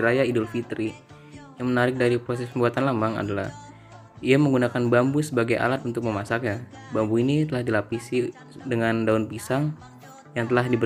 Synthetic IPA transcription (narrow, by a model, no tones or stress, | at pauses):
ɾajaidɔlfit̪ɾi | jaŋmənaɾɪk̚daɾipɾosɛspəmbuat̪anlamaŋa̰dalah | iaməŋɡunakanbambusəbaɡajʔa̰lat̪unt̪ʊk̚məmasakɲa | bambuinit̪əlahdilapisi | dəŋandaunpisaŋ | jaŋt̪əlahdibə